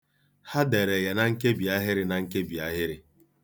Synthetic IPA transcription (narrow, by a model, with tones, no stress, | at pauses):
ha˦de˨ɾe˨ja˨na˨ŋ̩˦ke˦bi˨a˦ɦɪ˦ɾɪ˨na˨ŋ̩˦ke˦bi˨a˦ɦɪ˦ɾɪ˨